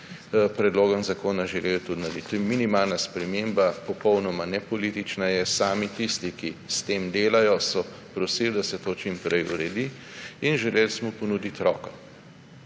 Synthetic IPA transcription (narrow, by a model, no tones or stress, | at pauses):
pɾɛd̪loːɡɔnzakoːnaʒɛlelt̪ud̪nalit̪minimaːlnaspɾɛmembapɔpɔwnɔmanɛpɔlit̪it͡ʃnajɛsaːmit̪ist̪ikist̪eːmd̪eːlajɔsɔ | pɾɔsild̪asɛt̪oːt͡ʃimpɾɛjṵɾɛd̪i | inʒɛlelsmupɔnud̪it̪ɾɔːkɔ̥